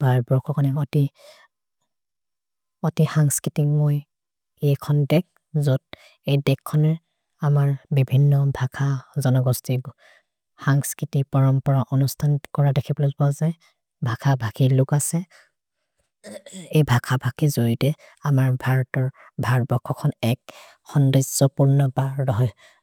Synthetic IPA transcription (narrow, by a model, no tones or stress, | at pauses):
bʱaɹbɹɔkʰɔkɔnɛɔti | ɔtixaŋskɹitiŋmoj | ejkʰɔndɛk̚ | zod̚ | ejdɛkʰːɔnɛɹ | amaɹbibʱinːɔbʱakʰazɔnɔɡɔsti | xaŋskɹitipɔɹɔmpɔɹaʔɔnustʰankɔɹadekʰiblozbɔzɛ | bʱakʰabʱakilʊkasɛ | ejbʱakʰabʱakizoɹitɛ | amaɹbʱaɹɔtɔɹ | bʱaɹbɔkʰːɔkʰɔnɛk | xɔndizɔpuɹnɔbaɹɹɔɦɔj